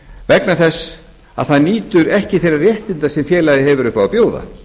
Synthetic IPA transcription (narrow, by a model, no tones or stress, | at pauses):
vɛknaθɛsː | a̰ðθaðniːt̪ʏɾɛhcɪθejɾarjɛht̪ɪnt̪asɛmfjɛːlajðɪhɛvʏɾʏhpavapjoːwða̰